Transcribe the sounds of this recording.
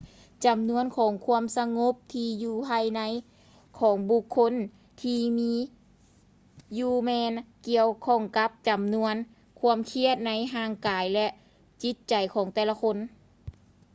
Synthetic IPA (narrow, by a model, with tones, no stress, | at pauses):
t͡ɕa˨˩mnu˧˥ənkʰɔː˨˩˦ŋkʰu˧˥əmsa˧ŋo˧˥p̚t̪ʰiː˧juː˧˩pʰaː˧˨jna˧˥j | kʰɔː˨˩˦ŋbu˧˩kʰːo˧˥˨n | t̪ʰiː˧miː˧˥ | juː˧˩mɛː˧nki˧əwkʰɔː˧˩ŋka˧˦˥p̚t͡ɕa˨˩mnu˧˥ən | kʰu˧˥əmkʰi˧˥˩ət̪̚na˧˥jɦaː˧˩˨ŋkaː˨˦jlɛ˧ʔ | t͡ɕi˧˦˥t̪̚t͡ɕa˨˩jkʰɔː˨˦ŋt̪ɛː˧la˧kʰo˧˥n